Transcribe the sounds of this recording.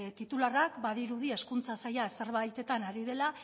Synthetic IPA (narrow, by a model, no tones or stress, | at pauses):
t̪it̪ularakbaðiɾuðie̞skunt͡sasajase̞ɾβ̞ajt̪e̞t̪anaɾiðe̞la